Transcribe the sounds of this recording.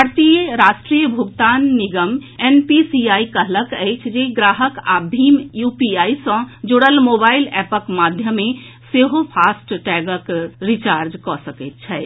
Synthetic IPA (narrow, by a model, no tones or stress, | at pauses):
bəɾt̪ijəɾaʃʈɾijəbʱuɡt̪anːiɡəmenpisiaikəɦləkəjt͡ʃʰd͡ʒeɡɾaɦəka̰bʱimjupiaisə̃d͡ʒoɽəlmobailɛpəkmad̪ʱjəme | seɦopʰasʈʈɛɡəkɾit͡ʃaɾd͡ʒkɔsəkɛt̪̚t͡ʃʰɛ